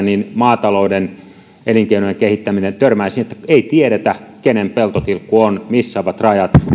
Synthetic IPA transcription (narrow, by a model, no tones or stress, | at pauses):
ninmɑːt̪ɑlouden | eliŋkeinojeŋkehit̪ːæminent̪ørmæisinet̪ːæ̥eit̪ieɾet̪ækenempelt̪ot̪ilkːuonmisːæoʋɑt̪rɑjɑt̪